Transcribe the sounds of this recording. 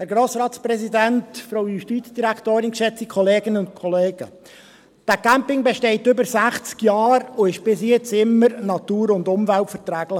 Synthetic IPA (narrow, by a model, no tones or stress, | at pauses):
hæɾɡɾoːsɾɑːtsprɛsidæntfɾowjuʃtiːt͡sd̥iɾækʰt̪oːɾɪnkʃɛt͡sikʰɔleːɡɪnəʊntkʰɔleːɡ̥ə̰ | d̥ækæmpɪŋbeʃtɛɪtʏbəɾsæχt͡skjɑːɾʊɪʃb̥ɪsjɛt͡sɪmːəɾnɑt̪uːɾʊndʊmvæltfɛɾtɾæːɡ̥lə